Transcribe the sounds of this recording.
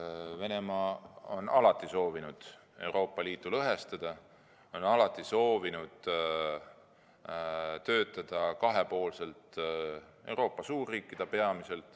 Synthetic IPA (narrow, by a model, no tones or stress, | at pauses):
ve̞ne̞mɑːonɑlɑt̪ːˑiso̞ːvinud̪̥ | e̞wɾo̞ːpˑːɑliːt̪ːˑulɤɦe̞st̪ɑd̪̥ɑ | o̞nɑlɑt̪ːˑiso̞ːvinud̪̥ | t̪ø̞ːt̪ːˑɑd̪̥ɑkɑɦe̞po̞ːlse̞lt̪ | e̞wɾo̞ːpːˑɑsuːrːiːkːˑid̪̥ɑpe̞ɑmise̞lt̪ˑ